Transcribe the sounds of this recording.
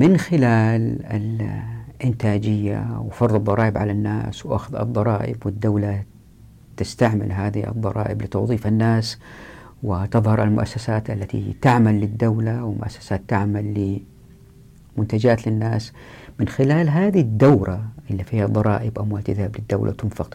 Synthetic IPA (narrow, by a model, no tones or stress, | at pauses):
mɪnxɪlaːlɪ̰lʔɪnt̪aːd͡ʒɪjːa̰wfɑɾˤðˤɨd̪ˤːɑɾˤɑːʔɪbʕalanːa̰ːswʔa̰xʊðɨ̰d̪ˤːɑɾˤɑːʔɪ̰bwɪd̪ːawla | t̪ɪst̪aʕmɪ̰lɦaːðiʔɨ̰d̪ˤːɑ̰ɾˤɑ̰ːʔɪblɪt̪ɑwðˤiːfanːaːs | wɪt̪ɨðˤhɑɾˤʔalmʊ̰ʔa̰sːasaːt̪ʔalːat̪ḭt̪aʕmalːɪd̪ːawlawɪmʊʔasːḁsaːt̪ːaʕmalːɪ | mʊnt̪ad͡ʒaːt̪lɪnːaːsmɪnxɪlaːlɦaːðid̪ːawɾaʔɪlːifiːhad̪ˤɑɾˤɑ̰ːʔɪbʔamwalt̪ɪðhablɪd̪ːawlʔa̰t̪ʊnfɪq